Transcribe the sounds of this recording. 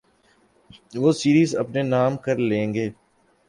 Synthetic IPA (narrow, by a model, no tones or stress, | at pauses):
ʋoːsiːɾiːzɐpnenaːmkəɾlẽːŋɡeː